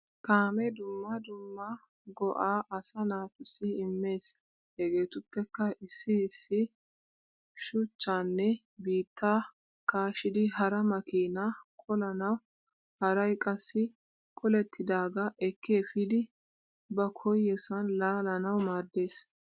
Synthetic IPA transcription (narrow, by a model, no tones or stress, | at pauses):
kʼaːmɛd̪ʊmːɐd̪ʊmːɐ | ɡɔʔaːʔɐsɐnaːt̪ʊsːɪɪmːe̞ːs | hɛɡe̞ːt̪ʊpːɛkːɐɪsːɪːsːɪ | ʃʊt͡ʃːaːnːɛ | biːt̪ʰːaː | kaːʃɪd̪ɪhɐɾɐmɐkiːnakʼɔlɐnɐw | hɐɾɐjkʼɐsːɪ | kʼɔlɛt̪ːɪd̪aːɡɐʔɛkːeːfɪd̪ɪ | bɐkʰɔjːɛsɐnlaːlɐnɐwmaːd̪ːe̞ːs